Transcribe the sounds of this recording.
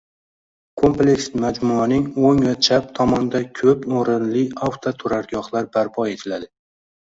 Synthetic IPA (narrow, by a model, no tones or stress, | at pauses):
kʰo̞mple̞ksmad͡ʒmʊanɪŋoŋvat͡ʃʰap̚t̪ʰɒmɒnɪd̪akʲʰɵpoɾɪnlɪawt̪ʰot̪ʰʊɾaɾɡɒhlaɾbaɾpʰɒe̞t̪ʰɪlad̪ɪ